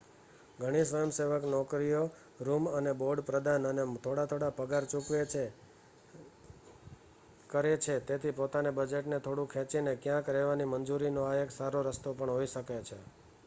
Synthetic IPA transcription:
ɡʱəɽ̃isʋəjəmseʋəknɔkɾijo | ɾuməneboɖpɾəd̪anənet̪ʰoɽat̪ʰoɽapəɡaɾt͡ʃukʋee | kəɾet͡ʃʰet̪et̪ʰipot̪anebəd͡ʒeʈnet̪ʰoɽũkʰẽt͡ʃinekjãkɾɛʋanimənd͡ʒuɾinoaeksaɾoɾəst̪opəɳɦoiʃəket͡ʃʰe

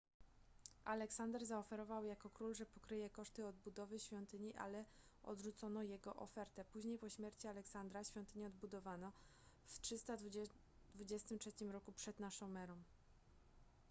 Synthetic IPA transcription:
ʔalɛksand̪ɛɾzaɔfɛɾɔvawjakɔkɾulʐɛpɔkɾɘjɛkɔʂt̪ɘɔd̪̚bud̪ɔvɘɕfʲjɔnt̪ɘɲiʔa̰lɛ | ɔ̰d̪ʐut̪sɔnɔjɛɡɔʔɔ̰fɛɾt̪ɛpuʑɲejpɔɕmʲjɛɾt͡ɕialɛksand̪ɾaɕfʲjɔ̃nt̪ɘɲɛɔd̪bud̪ɔvanɔ | ftʂɘst̪a | d̪vud͡ʑɛst̪ɘmtʂɛt͡ɕimɾɔkupʂɛd̪naʂɔ̃w̃mɛɾɔ̃w̃

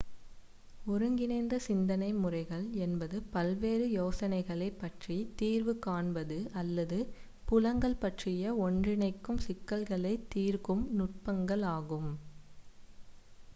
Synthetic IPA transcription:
ɔɾɯŋɡɪnɐɪnd̪ɐsɪnd̪ɐnɐɪmʊrɐɪɣɐɭɛnbɐðɯpɐlʋeːrɯjoːsɐnɐɪɣɐɭɐɪpːɐʈrit̪iːrʋɯkaːɳbɐðɯɐlːɐðɯ | pʊlɐŋɡɐɭpɐʈrɪjɐɔɳdrɪnɐɪkːɯmsɪkːɐɭɣɐɭɐɪt̪ːiːrkɯmnʊʈ̚pɐŋɡɐɭaːɣɯm

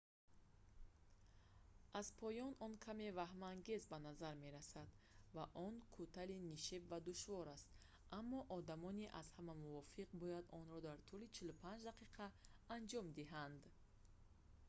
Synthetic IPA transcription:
azpʰɔjɔnɔnkʰame̞vaɦmaŋɡe̞zbanazaɾme̞ɾasad̪ | vaʔɔnkʰut̪ʰaliniʃebvad̪uʃvɔɾast̪ | ʔamːɔʔɔd̪amɔniʔaz̥hamamuvɔfiqbɔjad̪ɔnɾɔd̪aɾt̪ʰulit͡ʃʰilupʰand͡ʒd̪aqiqʰaːnd͡ʒɔmd̪iɦand̪

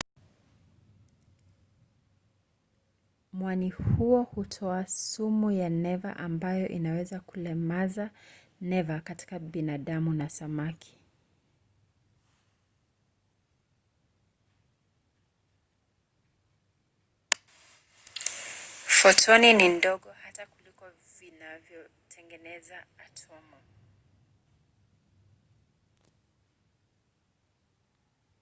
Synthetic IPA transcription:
mwanihuɔhutʰɔasumujanɛva̰ʔambajɔʔinawɛzakulɛmaza | nɛvakati̥kaɓinaɗamunasamakʰi̥ | fɔtʰɔninindɔɠɔhatakulikɔ | vinavjɔ | tʰɛŋɡɛnɛzaːtʰɔma

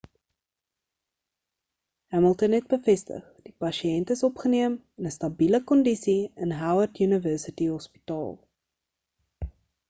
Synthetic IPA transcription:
hæməlˠtənɦɛt̚bəfɛstə̰χd̥ipɐʃiɛntəsɔpχəniəmɛnəstɐbiləkɔndisiənɦawərtjynəvəːsətiɦɔspi̥tɑ̰ːlˠ

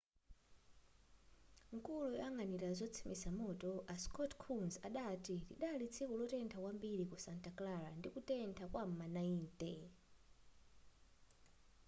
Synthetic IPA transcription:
ŋ̩kulujaŋɡaniɾazʷɔt͡sʰi̥misamɔtɔʔaskɔtkʰunzaɗatiliɗalit͡sʰikulɔtɛntʰakwambiɾikusantaklaɾandikutɛntʰakwamanaiːntʼɛ

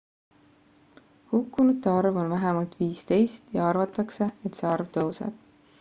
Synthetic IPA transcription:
hukːunut̪ːeɑrvo̞nvæɦɛmɑlt̪viːst̪e̞jst̪jɑɑrvɑt̪ːˑɑkse̞et̪seɑrvt̪ɤwsḛb̥

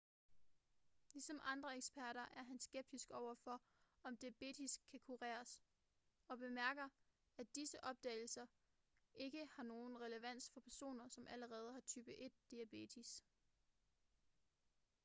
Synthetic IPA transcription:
lisɒ̽mʔɑ̈nd̥ʁɐeɡ̥sb̥æɐɾɐʔæɐɦænsɡ̥eb̥̚d̥isɡ̥ɒʊ̰ɐfɒ̽ | ɒ̽md̥ib̥e̝d̥ʰiskʰækʰuʁɛ̰ːɐs | ɒ̽b̥e̝mæɐɡ̥ɐ | æd̥isəʔɒ̽b̥̚d̥ɛ̰ːɪl̩sɐ | ʔe̝ɡ̥əhɑ̈no̝ːn̩ʁɛləʋæn̰sfɒ̽pʰæɐso̝̰ːnɐsɒ̽mʔæləʁɛːð̞ˠhɑ̈t͡sʰyːb̥əʔe̝d̥̚ːiæb̥e̝̰dʰis

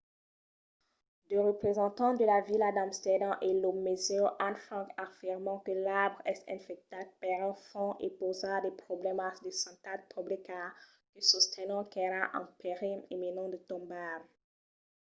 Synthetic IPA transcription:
d̪əʁəpχezɑ̃t̪ɑ̃d̪əlavilad̪ãmst̪ɛd̪ãʔelomezeʔanfχɑ̃kafiʁmɑ̃kəlabʁɛsɛ̰̃fɛk̚t̪at̪̚paʁɛ̃fɔ̃ʔepozʁad̪ɛpχɔblɛmasd̪esɑ̃t̪ad̪̚pʰɔblika | kəsust̪ʰɛnɑ̃kɛɾaʔɑ̰̃peʁimemenɑ̃d̪ət̪ɔ̃mbam

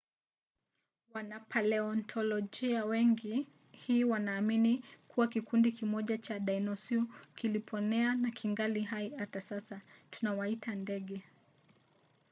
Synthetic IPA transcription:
wanapʰalɛɔntʰɔlɔʄiawɛŋɡi | hiːwanaːminikuwakikundikimɔʄat͡ʃaɗainɔsiukilipʰɔnɛanakʰiŋɡaliɦaihatasasatunawaitandɛɠɛ

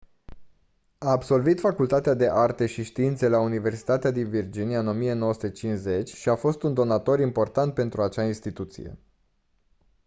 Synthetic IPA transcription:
aːbso̞lvit̪fakult̪at̪ead̪e̞ʔart̪e̞ʃiʃt̪iint̪se̞launive̞rsi̥t̪at̪ead̪invird͡ʒiniaɨno̞mije̞no̞wəsu̥t̪e̞t͡ʃinze̞t͡ʃʲʃiafo̞st̪und̪o̞nat̪o̞ɾimpo̞rt̪ant̪̚pe̞nt̪ɾuat͡ʃainst̪it̪ut̪sḭje̞̰

